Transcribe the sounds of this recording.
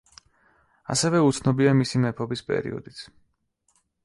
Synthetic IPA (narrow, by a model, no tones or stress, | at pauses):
a̰sɛvɛut̪sʰnɔbiamisimɛpʰɔbispʼɛ̰ɾḭɔ̰d̪it̪sʰ